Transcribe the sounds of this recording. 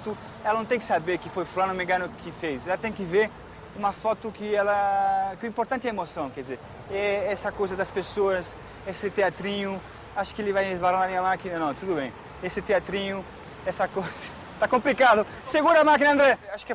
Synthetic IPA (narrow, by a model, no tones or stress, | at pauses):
t̪ʊ | ɛlɐnɐ̃t̪ẽj̃kɪ̥sabeɾkɪfojfulanõmẽŋɡɐ̃nʊkʰɪfejsɛlɐt̪ẽj̃kɪveɾ | ũmɐfɔt̪ʊkɪɛlɐkɪʊĩmpoɾt̪ɐ̃nt̪ɪɛemosɐ̃w̃kɛɾd̪izeɾ | ɛɛsɐkojzɐd̪ɐspesoɐs | esɪt̪eat̪ɾĩɲʊ | aʃʊ̥kɪelɪvajezvalaɾnɐmĩɲɐmakinɐnɐ̃w̃t̪ud̪ʊbẽj̃ | esɪt̪eat̪ɾĩɲʊ | ɛsɐkojz̥ɐ̥ | t̪akõmplikad̪ʊ | seɡũɾamak̬inɐ̃nd̪ɾɛaʃʊ̥k